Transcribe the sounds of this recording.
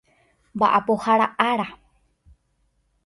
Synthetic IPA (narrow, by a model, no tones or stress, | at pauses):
mba̰ʔapohaɾaʔaɾa